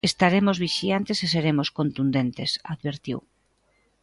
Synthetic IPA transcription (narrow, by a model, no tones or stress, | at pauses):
est̪aɾemozβiʃiant̪eseseɾemoskont̪und̪ent̪esaðβeɾt̪ḭw